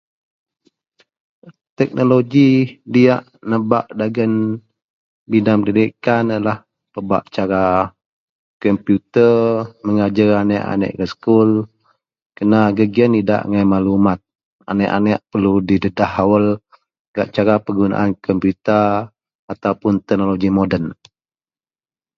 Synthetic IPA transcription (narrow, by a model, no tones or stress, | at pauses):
t̪ɛk̚noloɡidiaʔnəba̰ʔdaɡən | bidaŋpənidikanlah | pəba̰ʔt͡ʃaɾa | kɔmpjut̪ərməŋad͡ʒəɾanɛʔa̰nɛ̰ʔɾəskul | kənaɡəɡiənida̰ʔŋajmalumat̪̚ | a̰nɛʔa̰nɛʔpərludidədahawəl | ɡa̰ʔt͡ʃaɾapəɡuna̰ʔankɔmpjut̪ə | at̪aupʊnt̪ɛk̚noloɡimodən